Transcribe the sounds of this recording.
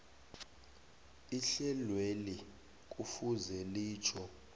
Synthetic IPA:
iɬɛlweli | k̬ʼufuzɛliːt͡ʃʰɔ

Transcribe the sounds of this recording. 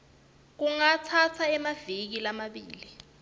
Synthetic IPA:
k̬uŋat͡sʰat͡sʰaɛmavik̬ilamaɓiːli

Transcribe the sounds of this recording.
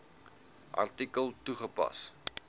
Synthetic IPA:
ʔɐ̰rtikəlˠtuχəpɐ̰s

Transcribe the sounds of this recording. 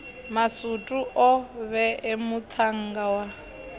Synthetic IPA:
masutʼuʔɔβɛʔemut̪ʰaŋ̩ɡawa

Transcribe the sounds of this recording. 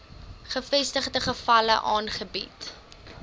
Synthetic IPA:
χəfɛstəχdəχəfɐlə̰ʔɑːnχəbit

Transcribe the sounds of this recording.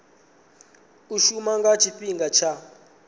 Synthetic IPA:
uʃumaŋɡat͡ʃʰipiŋɡat͡ʃʰa

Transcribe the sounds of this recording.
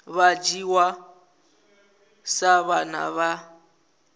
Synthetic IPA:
βad͡ʒiwa | saβana̰βa

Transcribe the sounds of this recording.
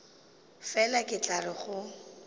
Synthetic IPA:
fɛlakʼɪt͡ɬʼarɪχʊ

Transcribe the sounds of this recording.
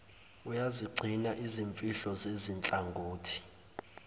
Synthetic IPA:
ujaziɡ͡ǀʱinaʔiziɱfʼiɬɔzezint͡ɬʼaŋɡʱuːtʰi̥

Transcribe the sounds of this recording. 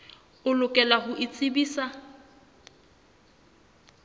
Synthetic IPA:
ʊlʊkʼɛlahʊʔɪt͡sʼɪbiːsa

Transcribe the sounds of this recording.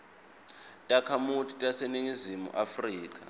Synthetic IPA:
tʼakʰamutʰʼi̥tʼaseniŋizimṵʔafriːk̬ʼa̰

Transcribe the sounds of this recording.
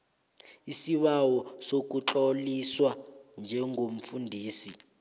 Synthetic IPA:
isiɓawɔsok̬uǁoliswand͡ʒʱɛŋʱom̩fundʱiːsi

